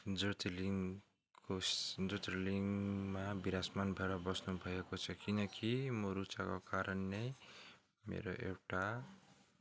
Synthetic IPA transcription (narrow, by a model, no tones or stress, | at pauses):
d͡zot̪liŋ | kod͡zot̪reliŋmabiɾasmanbʱʌeɾʌbʌsnubʱʌekot͡sʰʌkinʌkimoɾut͡sakokaɾʌnːe | mḛɾoʔḛwʈa